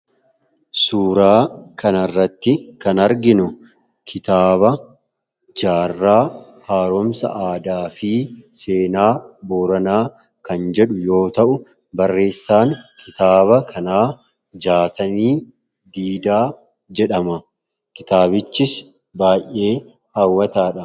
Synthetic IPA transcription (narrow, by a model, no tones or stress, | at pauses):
suːɾaːkʰɐnɐrːɐt̪ːɪkɐnɐɾɡɪnʊ | kʰɪt̪aːβɐ | d͡ʒaːrːaː | haːɾɔmsɐ̰ʔaːd̪aːfiːse̞ːnaːboːɾɐnaː | kɐnd͡ʒɛᶑʊjo̞ːt̪ɐʔʊ | bɐrːe̞ːsːaːnkʰɪt̪aːβɐkʰɐnaː | d͡ʒaːt̪ɐniː | d̪iːd̪aː | d͡ʒɛᶑɐmɐ | kɪt̪aːbɪt͡ʃːɪs | baːjʔe̞ː | haːwːɐt̪aːᶑɐ